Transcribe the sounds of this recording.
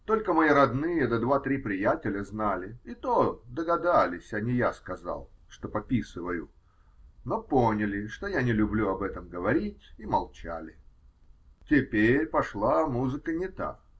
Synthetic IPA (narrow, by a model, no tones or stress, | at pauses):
t̪o̞lʲkəmɐjiɾɐd̪nɨjəd̪əd̪vat̪ɾʲipɾʲɪjatʲɪlʲəznalʲɪit̪od̪əɡɐd̪alʲɪsʲɐnʲijaskɐzɑ̰lˠʂt̪o̞pɐpʲisɨvəjʊ̰ | no̞ponʲɪlʲɪʂt̪o̞janʲɪlʲʊblʲuɐbɛt̪əmɡəvɐɾʲitʲimɐlˠt͡ɕa̰lʲɪ | tʲɪpʲeɾʲpɐʂlˠamuzɨkənʲɪt̪a̰